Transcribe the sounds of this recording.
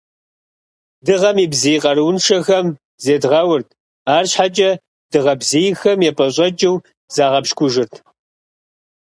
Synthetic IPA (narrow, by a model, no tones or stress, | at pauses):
dɨʁɐmiːbzijqʼɐɾɨwnʂɐxɐm | zeːdʁɐwʊrtʰ | aːrɕħat͡ʃʼɐ | d̥ɨʁɐbzijxɐmjɛpʼɐɕʼɐt͡ʃʼɪw | z̥aːʁɐpʃkʷʰʼʊʒɪrtʰ